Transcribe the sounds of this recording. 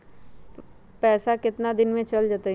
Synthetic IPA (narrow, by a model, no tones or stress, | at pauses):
pɛːsakɪt̪nad̪ɪnmẽt͡ʃɐld͡ʒaːt̪a